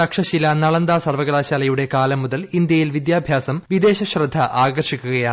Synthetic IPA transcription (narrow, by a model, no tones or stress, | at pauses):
ɐkʂɐɕilɐnɐɭɐnd̪aːsɐrʋɐɡɭaːɕaːlɐjuɽe̞kaːlɐmːuðɐlind̪jɐjilʋid̪jaːbʱjaːsɐmʋid̪e̞ːɕɐɕrɨd̪ʱːɐʔaːɡɐrʂikʲːuɣɐjaːɳ